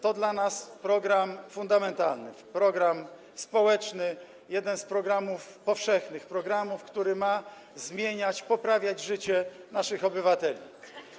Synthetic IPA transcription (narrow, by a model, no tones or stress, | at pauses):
t̪ɔd̪lanaspɾɔɡɾamfund̪amɛnt̪alnɘ̰pɾɔɡɾam | spɔwɛt͡ʂnɘ | jɛd̪ɛnspɾɔɡɾamufpɔfʂɛxnɘxpɾɔɡɾamufkt̪uɾɘma | zmʲjeɲat͡ɕpɔpɾavʲjad͡ʑʐɘt͡ɕɛnaʂɘxɔbɘvat̪ɛlʲḭ